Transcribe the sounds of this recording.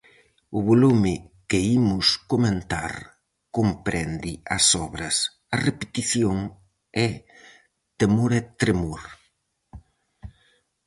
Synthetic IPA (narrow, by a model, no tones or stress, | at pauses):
ʊβolumɪkɪimʊskomẽnt̪a̰ɾ | kompɾɛnd̪ɪɐ̰sɔβɾɐs | ɐrepet̪iθjoŋ | ɛ | t̪emoɾɛt̪ɾemoɾ